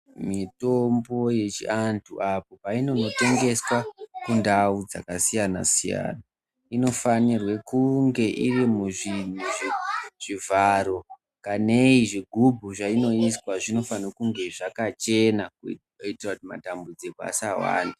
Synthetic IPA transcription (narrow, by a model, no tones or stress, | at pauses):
mito̞mbo̞je̞t͡ʃḭantʰuʔapopaino̞note̞ŋɡe̞swakundaud͡za̰kasijana̰siija̰ːna | ino̞fanirwekuŋɡe̞ʔirimuʐin̤uʐeʐ̥ivʱaɾo̞ | kane̞iʐiɡʱubʱuʐaino̞iswaʐino̞fanokuŋɡe̞ʐakat͡ʃe̞na | itirautima̰tambud͡zikoa̰sawa̰ːndi